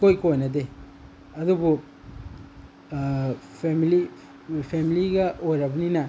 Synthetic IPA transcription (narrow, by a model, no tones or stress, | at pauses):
kojkojnɐde | ɐdubu | pʰemili | pʰemiliɡɐojɾɐbɐninɐ